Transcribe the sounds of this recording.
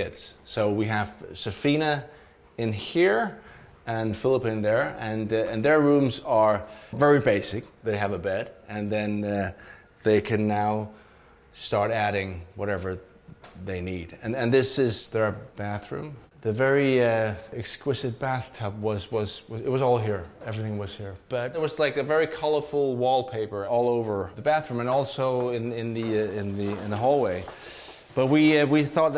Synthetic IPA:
ɪdz̥soʊwiɨv̥sɨfĩnɨ | ɪ̃nhiɹ | ɨ̃nfɪlˠəpɨ̃nðə˞ɨ̃nɨ̃nðə˞ɹʉ̃mzə˞vɛɹibeɪsɨk̚ðeɪɨvəbɛɾɨ̃nðɨ̃n | ðeɪkʰɨ̃nːaʊ | stɑɹɾæɾɪ̃ŋwʌɾɛvə˞ | ðeɪnidɨ̃nɨ̃nðɪsɪzðə˞b̥æθɹʉ̰̃m | ðɨvɛɹiʌɨkskw̥ɨzɨt̚b̥æθtʰʌp̚wʌzwʌzwʌɨt̚wʌzɔlˠɦiɹɛvɹiθɪ̃ŋwʌz̥hiɹb̥ʌt̚ɨt̚wʌzlaɪkɨvɛɹikʰʌlˠə˞fʊlˠwɔlˠpʰeɪpə˞ɔlˠoʊvə˞ðɨbæθɹʉ̃mɨ̃nɔlˠsoʊɪ̃nɪ̃nðiɪ̃nðɨɪ̃nðəɦɔlˠweɪ | b̥ʌt̚wiwiθɔt̪̚

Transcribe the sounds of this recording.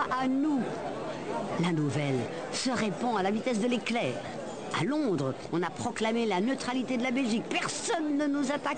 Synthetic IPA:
ʔanu | lanuvɛl | səʁepɑ̃alavit̪ɛs̬d̪əleklɛːʁ | a̰lɔ̃d̪ʁ | ɔ̃napχɔklamelanøt̪χalit̪ed̪əlabɛlʒikpɛʁsɔnːənuzat̪ak

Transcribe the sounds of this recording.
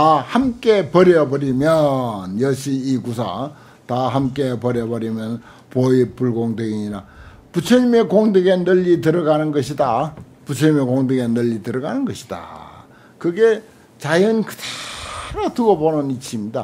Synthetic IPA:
ahamk͈e̞pʌɾjʌbʌɾimjʌnjʌɕʰiːɡusʰa̰ | taɦamk͈e̞pʌɾjʌbʌɾimjʌn | poipuɭɡoŋdeɡiɲina | put͡ɕʰɯɲime̞koŋdɯɡenɯʎːitɯɾʌɡanɯnɡʌɕʰida | put͡ɕʰʌɲimekoŋdɯɡenɯʎːitɯɾʌɡanɯnɡʌɕʰi̥d̥a̰ | kɯɡe̞ | t͡ɕajɯnkɯ̥taɾatɯɡʌbonɯnit͡ɕʰimɲida̰

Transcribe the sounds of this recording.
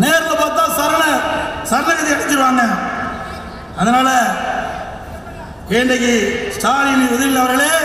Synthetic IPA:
neːɾlɐpoːt̪ːãːsɐɾɐlɐsɐɾlɐkɐt̪ːiɐɽɪt͡ʃːɪɾɯʋaːŋɡɐ | ɐðɐnaːlɐ | keːɳɖɐkːɯsʈaːlɪniʊðɐɾɪlːɐʋɐɾɣɐɭeː

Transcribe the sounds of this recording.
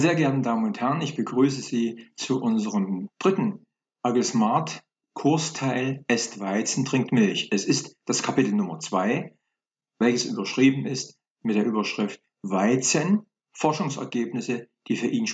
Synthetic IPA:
z̥eːɐɡɛɐtn̩daːmənʊnthɛʁənɪçb̥əɡʁyːs̬əziːt͡suʔʊnzəʁəmd̥ʁɪtn̩ | ʔaɡɪsmaɐt | kʰʊɐstʰaɪlʔɛstv̥aɪt͡sn̩tʁ̥ɪŋk̚tmɪlçʔɛsɪstd̥askʰapɪtl̩nʊmɐt͡sv̥aɪ | vɛlçəsʔy̰ːbɐʃʁ̥iːbm̩ɪst | mɪtd̥eːɐʔyːbɐʃʁ̥ɪft̚ | v̥aɪt͡sən | fɔɐʃʊŋsɛ̰ɐɡeːpnɪsəd̥iːfyːɐʔiːn

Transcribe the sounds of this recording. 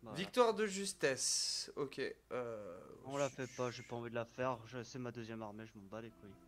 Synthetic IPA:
avik̚t̪waʁd̪əʒyst̪ɛsokʲeøɔ̃lafɛpaʒepaɑ̃vid̪əlafɛʁʒəsɛmad̪øzjɛmaʁmeʒəmɑ̃bad̪ekuj

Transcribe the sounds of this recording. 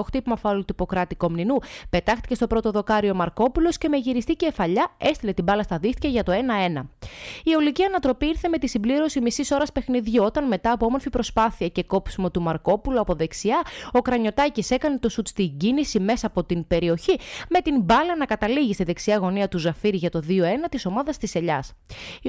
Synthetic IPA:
oxt̪ipmɐfɐlot̪ipo̞kɾɐt̪iko̞mninupe̞t̪ɐxt̪ice̞st̪o̞pɾo̞t̪o̞ðo̞kɐɾio̞mɐɾko̞pulo̞sce̞meʝiɾist̪ice̞fɐʎɐe̞st̪ile̞t̪ibɐlɐst̪ɐðixt̪i̥cɐʝɐt̪o̞e̞nɐe̞nɐio̞liciɐnɐt̪ɾo̞piiɾθe̞met̪isimbliɾo̞simisiso̞ɾɐspe̞xniðʝuo̞t̪ɐnme̞t̪ɐːpo̞omo̞ɾfipɾo̞spɐθiɐceko̞psumo̞t̪umɐɾko̞puluɐpo̞ðe̞ksiɐo̞kɾɐɲo̞t̪ɐcise̞kɐnet̪o̞sut̪t͡st̪iɟinisime̞sɐːpo̞t̪inbe̞ɾio̞çime̞t̪inbɐlɐnɐkɐt̪ɐliʝist̪iðe̞ksiɐɣo̞niɐt̪uzɐfiɾiʝɐt̪o̞ðio̞e̞nɐt̪iso̞mɐðɐst̪ise̞ʎɐs

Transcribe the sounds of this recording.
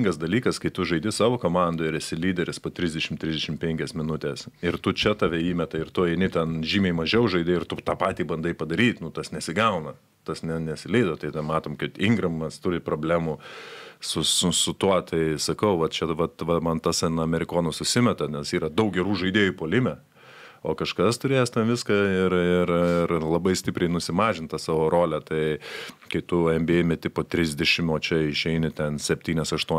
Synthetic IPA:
ŋɡɐsd̪ɐlʲiːkɐskɐɪt̪ʊʒɐɪd̪ʲɪsɑːʋoːkoːmɑnd̪oːɪɾɪsʲɪlʲiːd̪ʲɛɾʲɪspoːt̪ʲɾʲɪzʲd̪ʲɛʃʲɪmtʲɾʲɪzʲd̪ʲɛʃʲɪmpʲɛŋʲkʲɛsmʲɪnʊt̪ʲeːsɪrt̪ʊt͡ʃʲɛt̪ɑʋʲɛiːmʲɛt̪ɐɪrt̪ʊɛɪnʲɪt̪ʲɛnʒʲiːmʲɛɪmɐʒʲɛʊʒɐɪd̪ʲeːɪrt̪ʊt̪ɑːpɑːt̪ʲiːbɐnd̪ɐɪpɐd̪ɐɾʲiːt̪nʊt̪ɐsnʲɛsʲɪɡɐʊnɐ | t̪ɐsnʲɛnʲɛsʲɪlʲɛɪd̪oːt̪ɐɪt̪ʲɛnmɑːt̪oːmkɐt̪ɪŋɡɾɐmmɐst̪ʊɾʲɪproːbʲlʲæːmusʊsʊsʊt̪uɔt̪ʰɐɪsɐkɐʊʋɐt̪t͡ʃʲɛʋɐt̪ʋɐmɐnt̪ɐsɐnɐmʲɛɾʲɪkoːnɐsʊsʲɪmʲɛt̪ɐnʲɛsiːɾɐd̪ɐʊk̚ɡʲɛɾuːʒɐɪd̪ʲeːjupoːlʲɪmʲɛ | oːkɐʃkɐst̪ʊɾʲeːjɛst̪ʲɛnʋʲɪskɐɪɾɪrɪɾlˠɐbɐɪsʲt̪ʲɪpʲɾʲɛɪnʊsʲɪmɑːʒʲɪnt̪ɐsɑːʋoːɾoːlʲɛt̪ɐɪkɐɪt̪ʊɛmʲbʲeːmʲɛt̪ʲɪpoːt̪ʲɾʲɪzʲd̪ʲɛʃʲɪmoːt͡ʃʲɛɪʃʲɛɪnʲɪt̪ʲɛnsʲɛpʲt̪ʲiːnʲɛsɐʃt̪uɔ

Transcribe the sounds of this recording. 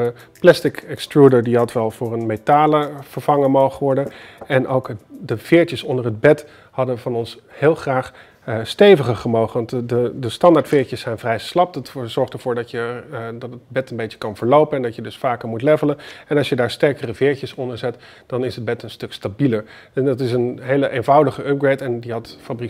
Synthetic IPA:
ə | plɛstɪkɛkstɹudəɹdiɦɑtʋɛlˠv̥ʊːɹənmetaːləv̥əɹv̥ɑŋənmowχəʋɔɹdənɛnʔowkdəv̥ɪːɹtəsɔndəɹɦəd̚bɛt | hɑdəvɑnɔnshɪːlˠχraːχ | stejvəχəχəmowχəʋɑntdədəstɑndaːɹtfɪːɹcəsːɛjnvrɛjslɑp̚dɑtz̥ɔɹχtəɹv̥ʊːɹdɑtjədɑtət̚bɛtənbejtə̥kɑnvəɹlowpənɛndɑtjədɵsfaːkəɹmutlɛvələnɛnɑlˠsjədaːɹstɛɹkərəvɪːɹcəsɔndəɹzɛt | d̥ɑnɪsɦəd̚bɛtənstɵkstabiləɹ | ɛndɑtɪsənɦejləʔejnvɑwdəχəʔœp̚ɡɹetɛndiɦɑtfabri

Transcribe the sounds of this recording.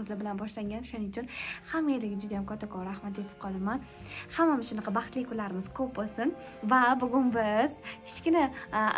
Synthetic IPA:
zlɪbɪlanbɒʃlaŋɡʲanoʃʊnɪʊt͡ʃʰʊnhamːajelɪɡʲɪd͡ʒʊd̪ajamkʰɒt̪ʰːakʰɒɾːahmat̪d̪e̞pʰɪ̥p̚qʰɒlˠaman | hamːamɪʃʊnɑqʰɑbɑχt̪lɪkʰʊlaɾɪmɪz̥kʰop̚bolsɪn | vabʊɡʲʊnbɪz̥kʲʰɪ̥t͡ʃkʲɪna

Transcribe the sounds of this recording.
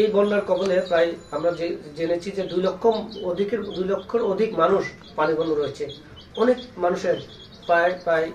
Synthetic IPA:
ejbɔnːaɾkɔbonepɾajamɾad͡ʑed͡ʑenet͡ɕʰid͡ʑed̪ujlokʰːood̪ʱikeɾd̪ujlokʰːoɾod̪ʱikmanuʃ | panibonoɾojet͡ɕʰe | ɔnekmanuʃeɾ | paepɾaj

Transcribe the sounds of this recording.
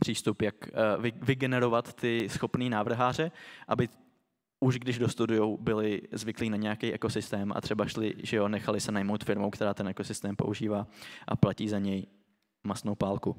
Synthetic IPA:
pr̥iːst̪upjakvɪɡɛnɛɾo̞vat̪ːɪsxo̞pniːnaːvr̩ɦaːr̝ɛʔabɪ | ʔuʒɡdɪʒdost̪udʊjowbɪlɪzvɪkliːnaɲɛjakejʔɛko̞sɪst̪ɛːmʔa̰t̪r̥ɛbaʃlɪ̰ʒɛjonɛxalɪsɛnajmowt̪fɪɾmowkt̪ɛɾaːt̪ɛnʔɛko̞sɪst̪ɛːmpo̞̰ʔuʒiːvaːʔa̰placiːzaɲɛj | masnowpaːlku

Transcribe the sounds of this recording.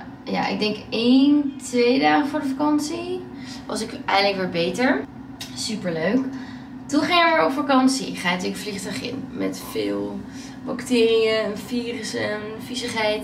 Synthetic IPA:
ja̰ʔɪ̰ɡ̚dɛŋkejntʋejdaːχəfʊːɹdəfakɑnsi | ʋɑ̰sɪkʔɛjələkʋɪːbejtəɹ | sypəɹløɥk | tunχɪŋɪɪəɹɔpfakɑnsiχaːtykfliχtœɥχɪ̰nmɛ̰tfɪːlˠ | bɑktɪːriənfiːrəsɛn | fisəχɦɛjt

